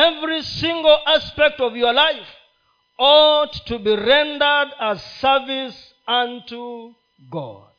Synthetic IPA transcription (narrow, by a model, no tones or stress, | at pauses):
ɛvɹisɪ̃ŋɡəl̩ˠʔaspɛk̚tɔvjəlaɪf | ɔtʰːubiɹɛ̃ndə˞dəz̥sɜ˞vis | ʌ̃ntu | ɡɔ̰d̥̚